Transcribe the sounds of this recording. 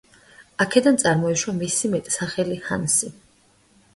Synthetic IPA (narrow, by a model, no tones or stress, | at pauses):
akʰɛd̪ant̪sʼaɾmɔiʃwamisimɛt̪ʼsaχɛliha̰nsi